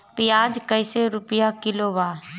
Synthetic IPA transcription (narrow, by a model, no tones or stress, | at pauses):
pɪjaːd͡ʒkəɪseːɾʊpɪjaːkɪloːʋaː